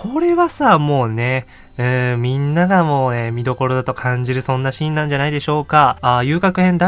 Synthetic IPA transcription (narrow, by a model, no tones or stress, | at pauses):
kʰo̞ɾe̞βasamo̞ːne̞ | ɯ̟̃mʲĩnːaɡamo̞ːemʲid̪o̞ko̞ɾo̞d̪at̪o̞kʰãɲ̟d͡ʑiɾɯ̟sõ̞nːaɕĩnːãɲ̟d͡ʑanaid̪e̞ɕo̞ːkaːjɯːkakɯ̟hẽ̞nd̪a